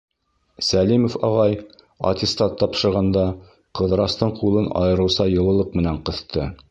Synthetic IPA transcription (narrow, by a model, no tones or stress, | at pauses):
sælimofɑʁɑj | ɐ̰t̪ʲɪst̪ɑt̪ːɑpʃɤ̆ɾʁɑnd̪ɑ | qɤ̆ðɾɑst̪ɤɴqulˠɤnʔɑ̰jɤ̆ɾɤ̆wsɑjɤ̆lˠɤ̆lˠɤq̚mɘ̆næɴqɤ̆θt̪ɤ